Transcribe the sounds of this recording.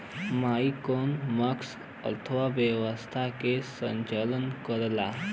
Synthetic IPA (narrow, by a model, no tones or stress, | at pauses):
maːikoːnməks | ə̰t̪ʰəʋaʋjeʋəst̪ʰakesə̃ɲt͡ʃələnkəɾlaː